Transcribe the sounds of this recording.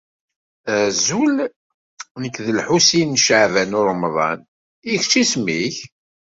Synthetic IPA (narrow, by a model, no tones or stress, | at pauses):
æzul | nəkːðəlħusinːʃəʕvænʊɾˤmðˤɑ̰n | ixt͡ʃːismiç